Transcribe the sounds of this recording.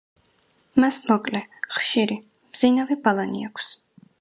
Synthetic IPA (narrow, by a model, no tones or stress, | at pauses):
masmɔkʼlɛχʃiɾi | mz̥inavɛbalˠanḭakʷʰs